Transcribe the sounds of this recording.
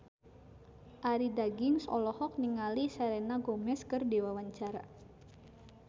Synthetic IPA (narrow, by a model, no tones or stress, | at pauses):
ʔaɾidaɡiŋsɔ̰lɔhɔk̚niŋalisaɾɛnaɡomɛskərdewawaɲt͡ʃaɾa̰